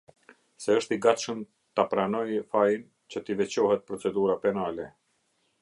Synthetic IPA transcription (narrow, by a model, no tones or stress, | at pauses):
sɛəʃt̪iɡat̪ʃəm | t̪apɾanɔjfajin | t͡ɕət̪ivɛt͡ɕɔhɛt̪̚pɾɔt͡sɛd̪uɾapɛnalɛ